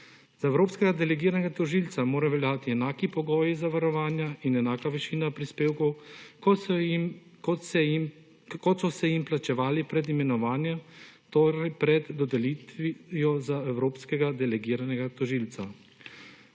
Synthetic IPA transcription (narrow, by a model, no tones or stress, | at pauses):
zaɛwɾoːpskɛɡad̪ɛlɛɡiːɾanɛɡat̪ɔʒilt̪samoːɾaʋɛljaːt̪iɛnaːkipɔɡɔːjizaʋaɾɔʋaːnjaʔinɛnaːkaʋɛʃiːnapɾispeːwkɔw | km | kɔt̪sɔsɛjimplat͡ʃɛʋaːlipɾɛd̪imɛnɔʋaːnjɛmt̪oɾɛjpɾɛd̪ːɔd̪ɛliːt̪ʋijɔzaɛwɾoːpskɛɡad̪ɛlɛɡiːɾanɛɡat̪ɔʒiːlt̪sa